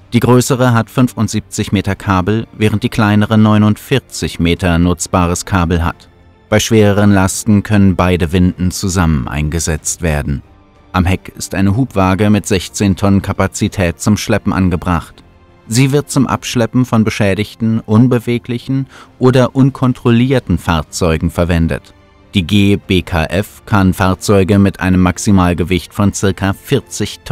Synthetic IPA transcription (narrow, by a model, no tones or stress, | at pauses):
d̥iːɡʁøːsəʁəɦatfʏnfʊntz̥iːp̚t͡sɪçmeːtɐkʰaːbl̩vɛːʁənt̚d̥iːkl̥aɪnəʁənɔʏnʊntfɪɐt͡sɪçmeːtɐnʊt͡sb̥aːʁ̞əskʰaːbl̩ɦa̰t | b̥aɪʃv̥eːʁəʁənlastn̩kʰœnənbaɪdəvɪndn̩t͡suzamənʔa̰ɪnɡəzɛt͡stv̥eːɐdn̩ | ʔamɦɛkɪstʔaɪnəɦuːpv̥aːɡəmɪtz̥ɛçt͡seːntʰɔnənkʰapat͡sitʰɛːt̚t͡sʊmʃlɛpm̩ʔa̰nɡəbʁaχt | z̥iːvɪɐt̚t͡sʊmʔa̰pʃlɛpm̩fɔnbəʃɛːɾɪçtn̩ʔʊnbəveːklɪçn̩ʔoːdɐʔʊnkʰɔntʁ̥oliːɐtn̩faɐt͡sɔʏɡŋ̩fɛɐvɛndə̰t | d̥iːɡeːb̥eːkʰa̰ʔɛfkʰanfaːɐt͡sɔʏɡəmɪtʔa̰ɪnəmːaksimaːlɡəvɪçtfɔnt͡sɪɐkafɪɐt͡sɪçtʰ